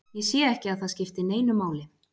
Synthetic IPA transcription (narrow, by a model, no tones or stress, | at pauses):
jɛsjɛɛhcɪaðθaðscɪft̪ɪneːjnʏmːaːwlɪ